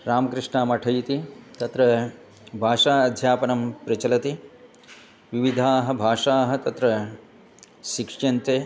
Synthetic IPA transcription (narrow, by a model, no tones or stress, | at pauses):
ɾaːmɐkɾɪʂɳaːmɐʈʰɐjt̪it̪ɐt̪ɾɐ | bʱaːʂaːɐd̪ʱjaːpɐnɐmpɾɐt͡ʃɐlɐt̪i | ʋiʋid̪ʱaːɦɐ̆bʱaːʂaːɦɐ̆t̪ɐt̪ɾɐ | ʃikʂjɐnt̪eː